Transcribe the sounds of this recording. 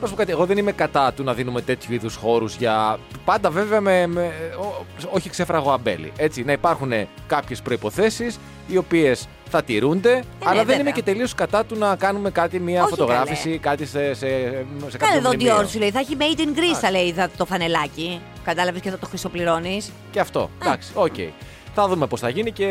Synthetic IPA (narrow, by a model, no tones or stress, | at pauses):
ɾos̬pokɐt̪ieɣo̞ðenime̞kɐt̪ɐt̪unɐðinume̞t̪e̞t̪ʰçuiðusxo̞ɾuzʝɐpɐnd̪ɐve̞veɐmemeoo̞çikse̞fɾɐɣo̞ɐbe̞̰lḭʔe̞t͡sinɐipɐɾxune̞ | kɐpçe̞spɾo̞ipo̞θe̞sis | io̞pie̞s | θɐt̪iɾund̪e̞ | ɐllɐðenime̞ce̞t̪e̞lio̞skɐt̪ɐt̪unɐkɐnume̞kɐt̪imiɐfott̪o̞ɣɾɐfissikɐt̪isesesekɐleðod̪ioɾsuleiθɐçimeit̪iŋɡɾist̪ɐleiθɐt̪o̞fɐne̞lɐci | kɐd̪ɐlɐveskeðot̪oxɾiso̞pliɾo̞nis | ceɐft̪o̞̰d̪ɐksi̥ocḛḭ | θɐðumepo̞sθɐʝinice̞